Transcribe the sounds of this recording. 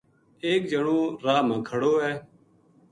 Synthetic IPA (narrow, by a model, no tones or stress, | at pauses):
eːk̚d͡ʒəɽõːɾaːmãːkʰəɽoːɦɛː